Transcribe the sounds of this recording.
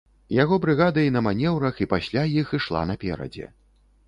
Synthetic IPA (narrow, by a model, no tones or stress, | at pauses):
jaɣɔbɾɨɣad̪ɐinɐmanʲɛwɾɐxipasʲlʲajixiʂlˠa̰nɐpʲɛ̰ɾɐ̰d͡zʲɛ̰